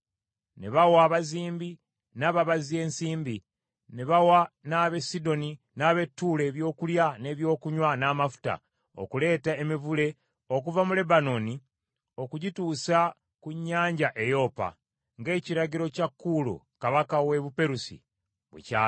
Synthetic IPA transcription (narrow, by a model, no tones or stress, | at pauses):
neβawaːβaziːmbi | naːβaβazie̞ːnsiːmbi | neβawanaːβe̞sido̞ni | naːβe̞tːuːle̞ːβjo̞ːkuljane̞ːβjo̞ːkuɲwanaːmafu̥ta̰ | o̰kule̞ːtaemivule̞ | o̞k̬uvamule̞bano̞ni | o̞kuɟituːsa | kuɲːaːɲɟaʔe̞jo̞pa̰ | ŋɡe̞ːciɾaɟiɾo̞cakːulo̰ | kaβakawe̞βupe̞ɾusḭ | βwḛcaː